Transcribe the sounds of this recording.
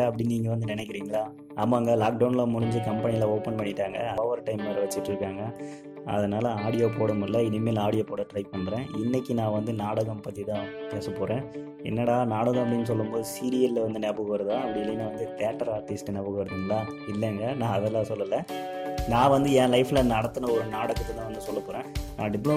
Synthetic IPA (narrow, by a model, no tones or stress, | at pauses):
ɐɐp̬ːɐɽɪnniːŋɡɐʋɐnd̪ɯnɪnɛkːɪɾiːŋɡɐɭaː | amːaːŋɡɐlaːk̚ɖɐʊnlɐmʊɾʊɲd͡ʒɯkɐmpɐnɪɪlɐoːpɐnpɐɳːɪʈːaːŋɡɐɐɐʋɐɾʈɐɪmɐːɾɐʋɐt͡ʃːɯʈːɪɾɯkːaːŋɡɐ | ɐ̰ðɐnaːlɐaːɽɪjoːp̬oːɽɐmɪlːɐɪnɪmeːlɐaːɽɪjoːpoːɽɐʈɾɐɪp̚pːɐɳːɾẽːɪnːɛkːinãːʋɐnd̪ɯnaːɽɐɣɐmpɐt̪ːit̪ãːpeːsɐpoːɾẽː | ɛ̰nːɐɽaːnaːɽɐðãːɐp̬ːɐɽɪnːɯs̬ɔlːɯmpoːðɯsiːɾɪjɐllʋɐnd̪ɯnɛbɯɣɯʋɐɾɐðãːɐpːɐɽɪɪlːinːɐʋɐnd̪ɯt̪ɛːʈːɐɾaːɾʈɪsʈnɛbɯɣʋɐɾɐðɯŋɡɐlaː | ɪlːɛŋɡɐnãːɐðɛlːãːsɔlːɐlːɐnãːʋɐnd̪ɯɛ̃ːlɐɪfɪlɐnɐɽɐt̪ːɯnɐɔɾɯnaːɽɐɣɐt̪ːɯt̪ãːʋɐnd̪ɯsɔlːɐpoːɾẽːnãːɖɪpːlo